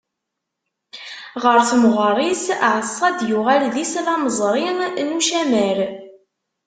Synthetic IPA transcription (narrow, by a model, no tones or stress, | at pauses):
ʁəɾθmʁərˤisʕəsˤːɑd̪jʊʁælðislɑməzˤɾˤɪnnuʃæmæɾ